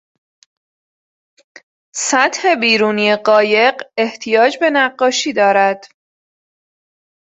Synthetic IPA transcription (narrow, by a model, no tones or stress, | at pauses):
sæt̪he̞biːɾuːnijeɢɒːje̞ɢe̞ht̪ʰijɒːd͡ʒbe̞næɢːɒːʃiːd̪ɒːɾæd̪̥